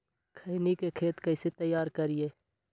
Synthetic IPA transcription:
kʰənikekʰeːt̪kɐɪset̪əjːaːɾkəɾieː

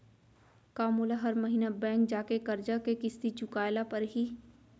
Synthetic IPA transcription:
kaːmulaɦɐɾmɐɦiːnabɛ̃ːŋk̚d͡ʒaːkekɐɾd͡ʒakekɪst̪it͡ʃʊkaːɪlapɐɾɦiː

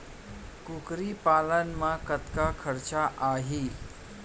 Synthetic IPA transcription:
kukɾipalənmakət̪kakʰəɾt͡ɕaʔaɦi

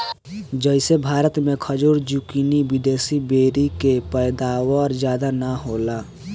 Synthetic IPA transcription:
d͡ʒəɪsebʱaːɾət̪mẽkʰəd͡ʒuɾd͡ʒukiniwɪd̪eːsibeːɾikepəɪd̪aːwɔɾd͡ʒjaːd̪anaɦoːla

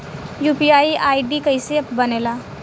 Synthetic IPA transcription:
juːpiaːiʔaːiɖikɐɪseɐpbɐneːlaː

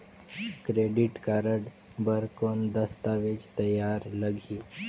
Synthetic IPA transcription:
kɾeɖiʈkaɾəɽ | bəɾkond̪əst̪aʋed͡ʒt̪əjaɾləɡʱi

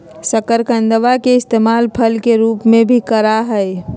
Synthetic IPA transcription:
səkəɾkə̃nd̪əʋakeɪst̪emalpʰəlkeɾuːpmẽbʱikəɾaɦəj

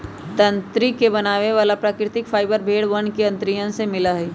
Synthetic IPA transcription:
t̪ɐ̃nt̪ɾikebɐnaːʋeʋaːlapɾaːkɾɪt̪ɪkfʰaːɪbəɾbʱeːɽʋɐɳkeɐ̃nt̪ɾijə̃semɪlaɦɛi

